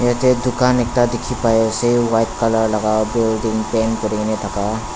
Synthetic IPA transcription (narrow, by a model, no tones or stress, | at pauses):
jet̪ed̪ukanek̚ʈad̪ekʰipajesewajʈ̚kaləɾlaɡawbilɖiŋpɛnkɔɾinet̪ʰaka